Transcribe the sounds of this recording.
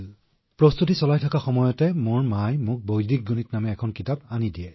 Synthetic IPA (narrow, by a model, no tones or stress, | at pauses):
pɹɔstutisɔlajtʰakaxɔmɔjɔtɛmʊɹmajmʊk̚bojdik̚ɡunitnamɛːkʰɔnkitapanidiɛ